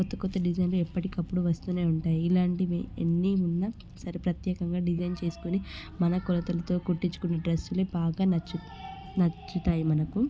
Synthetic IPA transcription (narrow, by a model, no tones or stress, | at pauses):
kɔt̪ːɐkɔt̪ːɐɖid͡ʒɐjnluɛpːɐʈikɐpːuɽuʋɐst̪uːneːuɳʈaːjiːlaːɳʈiʋḛnːiunːɐ | sɐɾipɾɐt̪jɛːkɐŋɡaːɖid͡ʒɐjnt͡ʃe̞ːsu̥kuni | mɐnɐkɔlɐt̪ɐlɐt̪o̞ːkuʈːiɲt͡ʃːu̥kunːɐɖɾɐsːuleːbaːɡaːnɐt͡ʃːu | nɐt͡ʃːut̪aːjimɐnɐku